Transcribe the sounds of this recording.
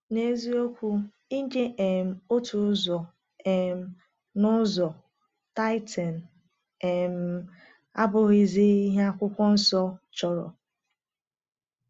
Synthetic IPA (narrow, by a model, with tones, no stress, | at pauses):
ne˦zi˦o˦kʷu˦ | i˦ŋ̩˦ke˦ʔe˨m̩˨o˦tʰu˨˦zɔ˨ | e˨m̩˦ | nʊ˦zɔ˨ | ta˦ɪ˦tʰa˨n̩˨ | e˨m̩˨ | a˦bʊ˦ɣi˨zi˦i˦ɦa˦kʷʊ˦kʷɔ˦n̩˦sɔ˦t͡ʃɔ˨ɾɔ̰˨